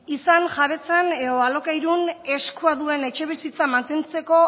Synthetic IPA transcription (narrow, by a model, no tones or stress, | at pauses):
isanʝaβe̞t͡sane̞ðoalo̞kajɾune̞skuaðue̞ne̞t͡ʃe̞β̞isit͡samant̪e̞nt͡se̞ko̞